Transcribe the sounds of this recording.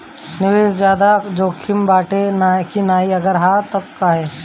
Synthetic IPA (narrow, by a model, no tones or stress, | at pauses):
nɪʋeːsd͡ʒjaːd̪ad͡ʒoːkʰɪmbaːʈenaːkinaːiɐɡəɾɦaːt̪ɐkːaɦɛː